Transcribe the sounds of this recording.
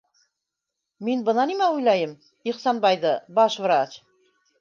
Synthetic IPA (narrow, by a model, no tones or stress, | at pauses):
minbɤ̆nɑnimæujlˠɑjɤm | iχsɑnbɑjðɤbɑʃvɾat͡ɕ